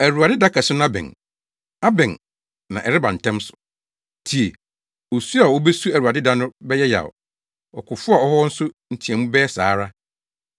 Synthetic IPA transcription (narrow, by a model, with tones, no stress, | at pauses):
æ˨ɾu˨a˨dɪ˦da˦kʰa˨sʊ˦ñ˦a˦bɛ̰̃˨n | a˦bɛ̃˨n | nã̰˨ʔɛ˨ɾɪ˦bã˨n̩˨tʰɛ̃˦msʊ̥˨ | tʰi˨e˨ | o˨su˦a˨wo˦be˦su˦æ˨ɾu˨a˨dɪ˦da˦nʊ̃˦bɛ˦jɛ˦ja̰˨ɔ̰˨ | ɔ̰˨kʰʊ˨fʊ˦a˨ɔ˦ɦɔ˦n̩˦sʊ˦n̩˨tʰĩ˨ɛ̃˨mũ˦bɛː˦saː˨˦ɾa˦